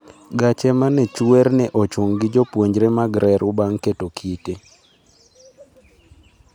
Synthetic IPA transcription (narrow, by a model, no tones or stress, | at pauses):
ɡat͡ʃɛmanɛt͡ʃuɛrnɛʔot͡ʃoŋɡɪd͡ʒopwoɲd͡ʒɾemaɡɾʔɛɾʊbaŋketokʰite